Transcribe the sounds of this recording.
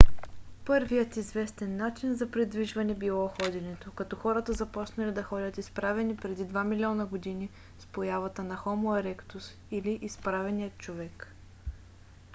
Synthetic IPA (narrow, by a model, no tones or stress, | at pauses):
pɤɾvijət̪izvɛst̪ɛnːat͡ʃinzɐpɾid̪viʒvɐnɛbilˠɔxɔd̪ʲɛnɛt̪okɐt̪ɔxɔɾət̪əzɐpɔt͡ʃnɐlid̪ɐxɔdʲət̪ispɾavɛnipɾɛd̪id̪vamilʲiɔnəɡod̪ini | spojavɐt̪ənɐxɔmoɛɾɛkt̪us | iliʔispɾavɛnijət̪̚t͡ʃovɛk